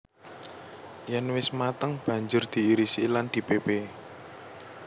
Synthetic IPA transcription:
janwɪsmat̪əŋb̥ä̤ɲd͡ʒʊrd̪̥i̤ːɾisiland̪̥i̤pebe

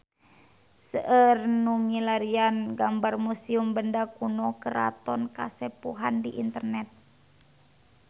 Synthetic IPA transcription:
səʔərnumilaɾianɡambarmusiumbəndakunɔkəɾa̰t̪ɔnka̰sɛpuɦandiʔint̪ərnɛt̪̚

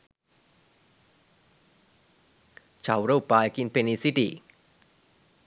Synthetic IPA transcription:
t͡ɕʰawɾopaːjkinpenisit̪ḭ

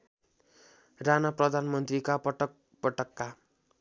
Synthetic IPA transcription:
ranaprʌd̪ʱanmʌnt̪rikapʌʈʌ | pʌʈʌkːa

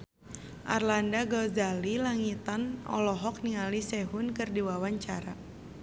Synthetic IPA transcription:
ʔa̰rlandaɡɔzalilaŋit̪anɔ̰lɔɦɔk̚niŋalisɛɦunkɨrdiwawaɲt͡ʃaɾa

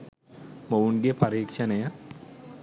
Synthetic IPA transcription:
məwunɡepɐɾiːkʂɐneja

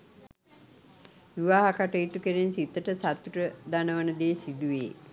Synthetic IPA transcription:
ʋiʋaːɦakaʈəjit̪ukeɾensit̪ːəʈəsat̪ːuʈəd̪anəʋənəd̪eːsid̪uʋḛː

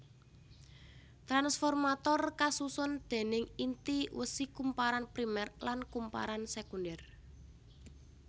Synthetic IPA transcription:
t̪ɾansfɔrmat̪ɔrkasusʊnd̪̥e̤nɪŋint̪iwəsikumpaɾanpɾimɛrlankumpa̰ɾansekundɛr

